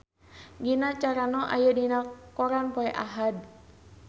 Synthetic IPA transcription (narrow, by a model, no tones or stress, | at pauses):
ɡinat͡ʃaɾanɔʔa̰jədinakɔɾanpɔɛʔaɦad̚